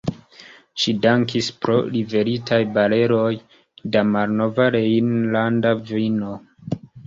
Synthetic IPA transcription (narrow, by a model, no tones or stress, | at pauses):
ʃidaŋkispɾo̞̰ɾive̞ɾitʰajbale̞ɾo̞j | damalno̞vaɾeinlandavino̞